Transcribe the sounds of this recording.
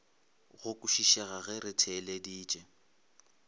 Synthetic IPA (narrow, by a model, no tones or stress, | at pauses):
ɣʊkʼʊʃiʃɛɣaɣɛɾɪtʰɛlediːt͡ʃʼɛ